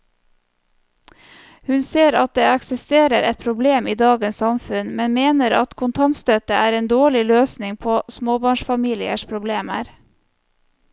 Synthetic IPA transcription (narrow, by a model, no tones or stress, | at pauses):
hʉnseːɾɑt̪̚d̪eːɑksɪst̪eːɾəɾʔɛt̪̚pʰɾʊbleːmiːd̪ɑːɡənsɑmfʉnmɛnmeːnəɾɑt̪kʰʊnt̪ʰɑnt̪st̪œt̪əʔæːɾeːnd̪oːɭɪløːsnɪŋpʰoːsmoːbɑːɳʃfɑmiːlɪə̰ʃpʰɾʊbleːmə̰ɾ